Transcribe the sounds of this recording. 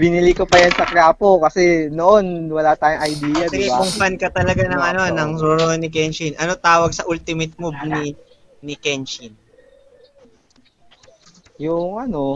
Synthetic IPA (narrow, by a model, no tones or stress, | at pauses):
bɪnɪlikopɐjansɐkɾaːpo̞kɐsɛnoʔo̞nwɐlat̪aːjoŋʔɐjd̪iːjɐd̪ɐɪɡɐkʊŋfankɐt̪ɐlɐɡanɐŋʔɐno̞nɐŋɾoɾonɪk̬ɛnt͡ʃɪnʔɐno̞t̪aːwɐɡ̚sɐʔult̪ɪmɪt̪̚mub̚ni | nɪkɛnt͡ʃin | jʊŋʔɐno̞